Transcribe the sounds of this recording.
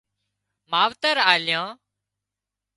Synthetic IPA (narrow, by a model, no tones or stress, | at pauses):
maːʋt̪əɾaːljãː